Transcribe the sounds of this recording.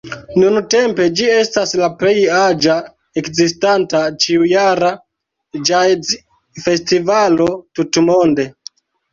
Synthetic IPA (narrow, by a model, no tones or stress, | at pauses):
nunte̞mpe̞d͡ʒie̞staslaple̞jad͡ʒa | ekzistantat͡ʃiujaɾa | d͡ʒajz | fe̞stivalo̞tutmo̞nde̞